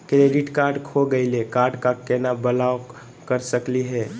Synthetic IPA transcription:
kɾeɖiʈkaɾɖkʰoɡəɪlekaɾɖkakenabəlao | kəɾsəkliɦɛ

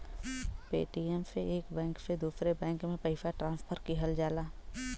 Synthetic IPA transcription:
pḛːʈiemseeːkbɛ̃ːŋksed̪uːsɾebɛ̃ːŋkmẽpəɪfaʈɾãːnspʰəɾkiɦəld͡ʒaːlaː

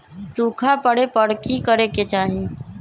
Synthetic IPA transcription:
sũkʰapəɽepəɽkʰikəɾeket͡ʃaɦi

